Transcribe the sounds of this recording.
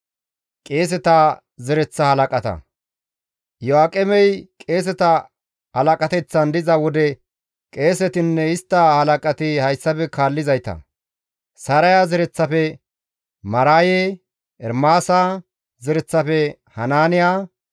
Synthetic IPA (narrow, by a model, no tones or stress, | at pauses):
kʼe̞ːs̬ɛt̪a | zɛɾɛt͡sːɐhɐlɐkʼɐt̪ɐ̰ | jɔaːkʼɛmɛjkʼe̞ːs̬ɛt̪ɐ | hɐlɐkʼɐt̪ɛt͡sːɐnd̪ɪzɐwɔd̪ɛ | kʼe̞ːsɛt̪ɪnːɛɪst̪ːɐhɐlɐkʼɐt̪ɪhɐjsːɐpɛkaːlːɪzɐjt̪ɐ̰ | sɐɾɐjazɪɾɛt͡sːɐfɛ | mɐɾaːjeː | ʔɛɾmaːsaː | zɪɾɛt͡sːɐfɛ | hɐnaːnɪjaː